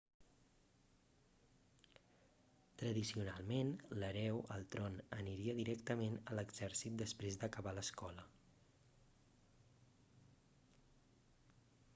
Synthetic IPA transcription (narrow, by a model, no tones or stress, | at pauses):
t̪ɾəðisiunalˠmenləɾɛwəlˠt̪ɾɔnəniɾiəðiɾɛkt̪əmenələɡzɛɾsit̪̚d̪əspɾezd̪əkəβaləskɔlə